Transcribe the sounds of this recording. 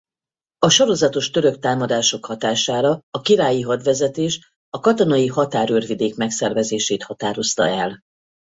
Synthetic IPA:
ɒʃo̞ɾo̞zɒt̪o̞ʃt̪øɾøkt̪aːmɒd̪aːʃo̞khɒt̪aːʃaːɾɒːkiɾaːjiɦɒd̪ʋɛzɛt̪eːʃ | ɒkɒt̪o̞nɒjiɦɒt̪aːɾørvid̪eːkmɛksɛrvɛzeːʃeːt̪hɒt̪aːɾo̞st̪ɒ̰ɛl

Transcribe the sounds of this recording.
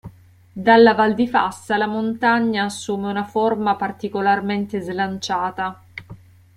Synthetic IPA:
d̪alːavald̪ifa̰sːalamont̪aɲːaːsːuːmeunaformapart̪ikolarment̪ezlant͡ʃaːt̪a

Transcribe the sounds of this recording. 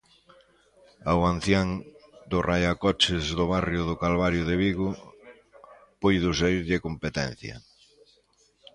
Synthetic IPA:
awan̟θjaŋd̪ʊrajakɔt͡ʃɪzðʊβ̞arjʊðʊkalβaɾjʊðɪβiɣʊ | pojðʊs̬aiɾʎɪkompet̪ɛn̟θjɐ̰

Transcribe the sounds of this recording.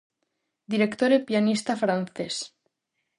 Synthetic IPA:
d̪iɾekt̪oɾepjanist̪afɾan̟θes

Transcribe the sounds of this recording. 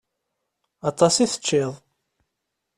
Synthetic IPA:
ɑt̪ˤɑsiθə̥t͡ʃːɪðˤ

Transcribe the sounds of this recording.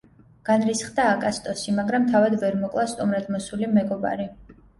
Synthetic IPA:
ɡ̥anɾisχd̪aːkʼast̪ʼɔsimaɡɾamt̪ʰavad̪vɛɾmɔkʼlˠast̪ʼumɾad̪mɔsulimɛɡɔba̰ɾi

